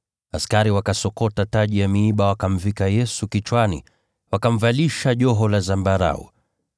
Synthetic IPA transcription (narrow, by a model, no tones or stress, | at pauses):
askaɾiwakasɔkɔtataʄijamiːɓawakam̩vikajɛsukit͡ʃwanḭ | wakam̩valiʃaʄɔɦɔlazambaɾa̰ɔ̰